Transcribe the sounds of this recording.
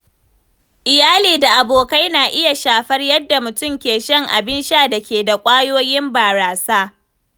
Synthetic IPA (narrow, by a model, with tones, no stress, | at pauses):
ʔɪ˨jaː˦liː˨da˨ʔa˨boː˨ka˦jnaː˨ʔɪ˦ja˨ʃaː˨ɸɐ˦rjɐ˦dːa˨mʊ˨tʊ˦mkʲeː˨ʃɐ˦˨ŋʔa̰˨bɪ˦nʃaː˦da˨kʲeː˨da˨kʷʼaː˦joː˦jɪ˦mbaː˨ɾaː˨saː˦